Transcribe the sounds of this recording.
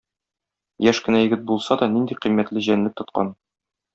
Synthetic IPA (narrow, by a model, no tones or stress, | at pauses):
jæʃkɘ̆næjɘ̆ɡɘt̪̚bulˠsɑd̪ɒnind̪iqimːæt̪lɘʑænlɘk̚t̪ŏt̪̚qɑ̰n